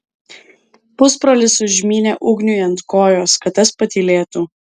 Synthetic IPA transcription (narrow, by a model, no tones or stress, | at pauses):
pʊspɾolʲɪsʊʒʲmʲiːnʲeːʔʊɡnʲʊjɐnt̪koːjoːskɐt̪ɐspɐt̪ʲiːlʲeːt̪uː